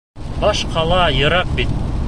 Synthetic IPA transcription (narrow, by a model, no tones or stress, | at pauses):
bɑʃqʰɑlˠɑjɤ̆ɾɑq̚bit̪̚